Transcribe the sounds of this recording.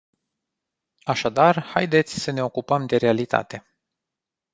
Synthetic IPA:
aʃad̪arhajd̪e̞t̪sʲsəne̞o̞kupəmd̪e̞ɾe̞alit̪a̰t̪e̞

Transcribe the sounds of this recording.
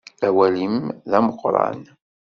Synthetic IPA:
æwælimðæməqːɾˤɑ̰n

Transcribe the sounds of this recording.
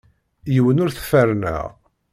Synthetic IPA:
jəwənʊɾθfæɾnæ̰ʁ

